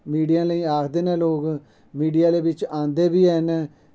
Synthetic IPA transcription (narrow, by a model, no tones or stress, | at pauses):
miːɖijãːləiːaːkʰd̪eːnɛ̃ːloːɡ | miːɖijaːleːbɪt͡ʃãːnd̪eːbiːɛːnː